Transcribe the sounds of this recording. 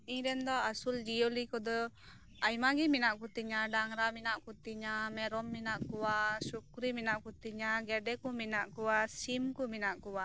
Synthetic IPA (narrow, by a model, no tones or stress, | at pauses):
iɲɾɛnd̪ɔasuld͡ʒijolikɔd̪ɔ | ajmaɡiminaʔkut̪iɲaɖaŋɾaminaʔkut̪iɲamɛɾɔmːinaʔkuwasukɾiminaʔkut̪iɲaɡɛɖɛkɔminaʔkuwasimkɔminaʔkuwa